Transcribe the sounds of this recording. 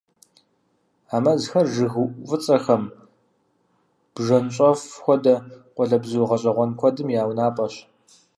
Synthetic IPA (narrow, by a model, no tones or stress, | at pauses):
aːmɐzxɐrʒɨɣɨʔʷfʼɨt͡sʼɐxɐm | b̥ʒɐnɕʼɔfxʷɔdɐqʷʼɔɮɐbzuwʁɐɕʼɐʁʷɔnkʷʰɔdɨmjaːwnaːpʼɐɕ